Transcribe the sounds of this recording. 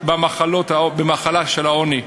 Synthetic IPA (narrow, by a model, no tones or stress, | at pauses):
bamaχalo̞t̪haobemaχalaʃelaoni